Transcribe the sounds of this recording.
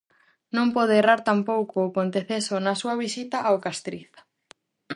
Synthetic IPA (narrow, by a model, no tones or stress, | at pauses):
nõmpɔð̞eːraɾt̪ampowkʊːpont̪eθesonɐsuɐβ̞isit̪ɐʔawkast̪ɾiθ